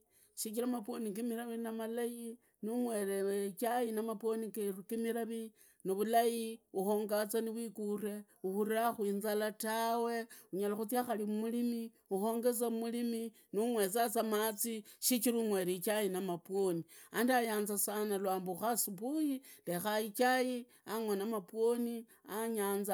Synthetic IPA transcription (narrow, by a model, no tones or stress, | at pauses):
ʃikiɾamapwoniŋkimiɾaβinamalaji | nuŋwe̞ɾeet͡ʃajinamapwo̞nikerukimiɾaβi | noβulajiuxo̞ːŋɡat͡saniβwikure̞ | uxuɾaxwiːnzalatawe̞uɲalaxut͡siaxalimumulimi | uxo̞ːŋɡe̞t͡samumulimi | nuŋwe̞t͡sat͡samat͡siʃit͡ʃiɾuŋwe̞ɾit͡ʃajinamapwo̞niandiajaːnzasanalwaːmbuxasupujilexait͡ʃaji | aŋwanamapwoni | aɲaːnz